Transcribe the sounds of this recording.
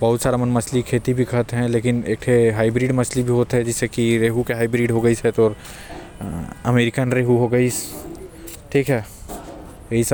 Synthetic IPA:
bɐɦʊt̪saːɾamɐnmɐslikʰeːt̪ibʱikɐɦt̪ɦɛ̃leːkɪneːk̚t̪ʰeɦaːɪbɾiːɖmɐslibʱiɦoːt̪ɦɛ̃d͡ʒɪsekiɾeːɦukeɦaːɪbɾiːɖɦoɡɐisɛt̪ɔːɾ | ɐ̰meːɾɪkənɾeːɦuɦoɡɐis | ʈʰiːkɦɛ | eis

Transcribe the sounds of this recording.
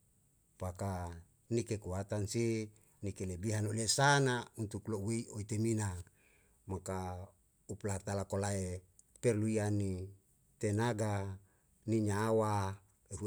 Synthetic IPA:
paka | nikekuat̪anse | nikelebiɦanolesanaunt̪ukloweioit̪emina | maka | uplat̪alakolae | perluiani | t̪enaɡa | niɲawa | eɦu

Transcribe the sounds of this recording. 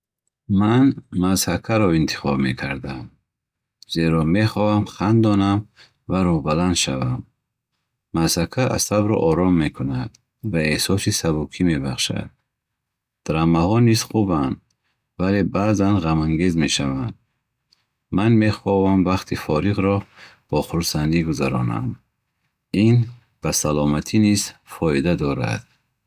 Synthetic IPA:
manmazhakʰaɾɔint̪ʰi̥χɔbme̞kʰaɾd̪am | z̥eɾɔme̞χɔhamχand̪ɔnam | vaɾuhbaland̪ʃavamː | az̥hakʰaʔa̰sabɾɔ̰ʔɔɾɔmːe̞kʰunad̪ | vaehsɔsisabukʰime̞baχʃa̰d̪̥̚ | d̪̥ɾamahɔniz̥χuband̪ | vale̞baːzanʁamaŋɡe̞zme̞ʃavand̪ | manme̞χɔvamvaχt̪ʰifɔɾiʁɾɔ | b̥ɔχuɾsand̪iɡuzaɾɔna̰m | in | b̥asalɔmat̪ʰiniz̥fɔid̪ad̪ɔɾa̰d̪̥̚

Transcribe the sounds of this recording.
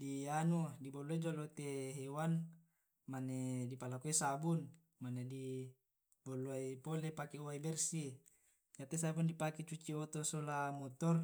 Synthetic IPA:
dianudiboluaid͡ʒolot̪eɦewan | manedipalakuisabun | manedi | boloaipolepakeoaibɛrsi | d͡ʒat̪es̬abundipaket͡ʃut͡ʃiot̪osolamɔt̪ɔr

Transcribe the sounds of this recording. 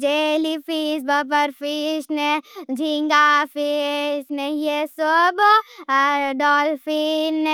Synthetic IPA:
d͡ʒeːlipʰiːsbəpəɾpʰisned͡ʒʱiŋɡapisnejesob | ɖɔːlfʰinːe

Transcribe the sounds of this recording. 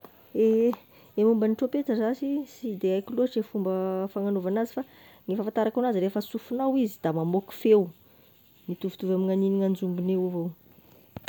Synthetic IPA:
e | emumbəniʈ͡ʂopetəzasisid̪eajkiluaʈ͡ʂefumbəfaŋanovanazifa | ŋifafant̪aɾakanazirefəsufunawizid̪̥amamoku̥few | nit̪uvu̥t̪uvamiŋaniniŋand͡zumbinewuvow

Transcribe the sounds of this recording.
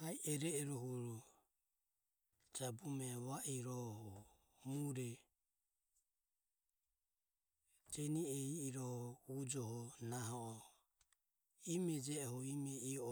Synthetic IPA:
aiʔɛɾɛɛɾɔɦuɾɔ | d͡ʒabumɛβaʔiɾɔhɔ | muɾɛ | d͡ʒɛniɛiːɾɔhɔud͡ʒɔɦɔnaɦɔɔ | imɛd͡ʒɛɔhɔimɛiɔ

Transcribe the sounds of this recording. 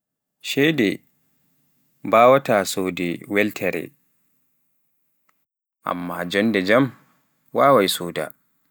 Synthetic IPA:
ʃɛjdɛ | baːwataːsoːdɛwɛltʰɛɾɛ̰ | ʔa̰mːad͡ʒɔndɛd͡ʒam | waːwajsoːda̰

